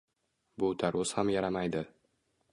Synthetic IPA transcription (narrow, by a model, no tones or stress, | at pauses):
bʊt̪ʰaɾʊz̥hamjaɾamajd̪ɪ